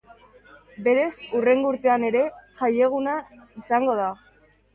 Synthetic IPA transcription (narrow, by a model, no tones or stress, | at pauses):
be̞ɾe̞sure̞ŋɡouɾt̪e̞ane̞ɾe̞ʝaje̞ɣ̞unaisaŋɡo̞ð̞a